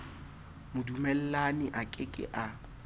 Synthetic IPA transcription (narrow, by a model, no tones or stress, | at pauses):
mʊdumɛl̩lanɪʔakʼɪkʼɪ̰ʔa